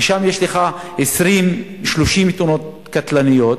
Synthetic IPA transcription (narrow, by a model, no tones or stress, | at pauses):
eʃamjeʃleχaesʁimʃloʃimit̪unot̪̚ | kat̪lanijo̞t̪